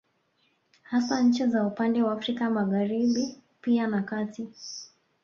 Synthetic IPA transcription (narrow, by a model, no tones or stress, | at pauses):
hasaɲ̩t͡ʃizaupandɛwaːfɾikamaɣaɾiɓipianakati